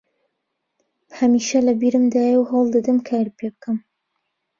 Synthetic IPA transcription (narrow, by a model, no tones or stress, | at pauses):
hɐmiːʃɐlɐbiɾɨmd̪aːjəwɦɑwlˠd̪ɨd̪ɨmkʰaːɾpʰebɨkʰɐm